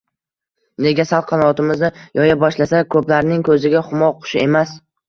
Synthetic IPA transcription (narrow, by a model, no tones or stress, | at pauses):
ne̞ɡʲasalˠqʰːɑnɒt̪ɪmɪznɪjɒjabɒʃlasakʰɵplaɾnɪŋkʰɵzɪɡʲaχʊmɒqʰʊ̥ʃɪe̞mas